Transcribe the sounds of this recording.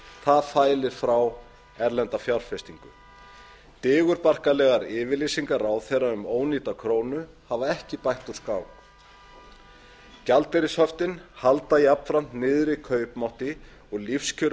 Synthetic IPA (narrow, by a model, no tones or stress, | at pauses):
θaðfaːjlɪɾ̥fɾaw | ɛɾlɛnt̪afjawɾ̥fɛst̪iŋkʏ̰ | t̪ɪːɣʏɾpar̥kalɛɣaɾɪːvɪlisiŋkaɾaːwθejrːaʏmoːwniːt̪akʰɾoːwnʏ | havaɛhcɪpajht̪u̥skaːwk | calt̪ɛɾɪshœft̪ɪnhalt̪aiapn̥fɾam̥t̪nɪːðɾɪkʰœːɥpmawht̪ɪ | ɔɣlifscʰʏɾ